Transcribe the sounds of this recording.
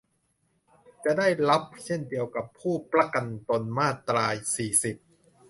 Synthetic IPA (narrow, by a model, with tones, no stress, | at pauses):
t͡ɕa˨˩ʔda˥˩jla˦˥p̚t͡ɕʰe˥˩ndi˧əwka˨˩pʰːuː˥˩pɾa˦˥ka˧nt̪o˧nmaː˥˩t̪ːɾaː˧jsiː˨˩si˨˩p̚